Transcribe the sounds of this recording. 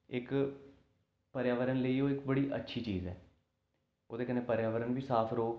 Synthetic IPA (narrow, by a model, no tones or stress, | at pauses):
ɪk | pəɾjaːʋəɾənləiːoːɪkbəɽiːʔə̰tːʃʰiːt͡ʃiːzɛ̰ː | oːd̪eːkəneːpəɾjaːʋəɾənbiːsaːpʰɾoː